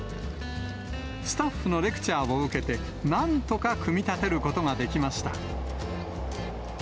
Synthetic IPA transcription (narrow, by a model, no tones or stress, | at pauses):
sɨ̥t̪aɸːɯ̟no̞ɾe̞kɯ̟̥t͡ɕaːoɯ̟ke̞t̪e̞ | nãnt̪o̞kakɯ̟mʲit̪at̪e̞ɾɯ̟ko̞t̪o̞ŋad̪e̞kʲimaɕi̥t̪a̰